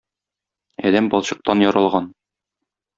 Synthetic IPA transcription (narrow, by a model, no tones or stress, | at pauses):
ɒ̰d̪æmbɒlˠɕɤ̆q̚t̪ɑnjɒɾɑlˠʁɑn